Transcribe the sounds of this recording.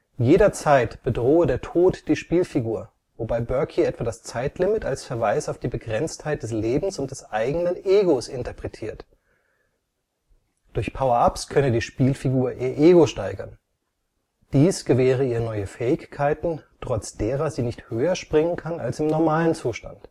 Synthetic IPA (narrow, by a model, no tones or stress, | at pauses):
jeːɾɐt͡saɪtb̥ədʁoːədeːɐtʰoːtd̥iːʃpiːlfiɡuːɐ | vobaɪbœɐkʰiɛtv̥adast͡saɪtʰlɪmɪtalsfɛɐvaɪsaʊfd̥iːbəɡʁɛnt͡sthaɪt̚d̥ɛsleːbm̩sʊnt̚d̥ɛsʔaɪɡənənʔeːɡosɪntɐpʁ̥ɛtʰiːɐt | d̥ʊɐçpʰaʊɐʔapskʰœnədiːʃpiːlfiɡuːɐʔiːɐʔeːɡoʃtaɪɡɐn | d̥iːsɡ̥əvɛːʁ̞əiːʁənɔʏəfɛːɪçkʰaɪtn̩tʁ̥ɔt͡sd̥eːʁɐziːnɪçthøːɐʃpʁ̥ɪŋənkʰana̰lsɪmnɔɐmaːlənt͡suːʃta̰nt